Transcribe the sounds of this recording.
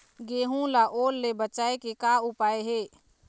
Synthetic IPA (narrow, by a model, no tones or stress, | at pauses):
ɡeɦũlaʔoːlːebət͡ʃaːekekaupaeɦe